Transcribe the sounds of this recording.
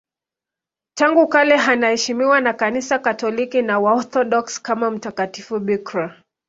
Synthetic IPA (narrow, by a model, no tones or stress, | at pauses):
taŋɡukalɛɦanahɛʃimiwanakanisakatɔlikinawaɔθɔɗɔkskamam̩takatifuɓikɾa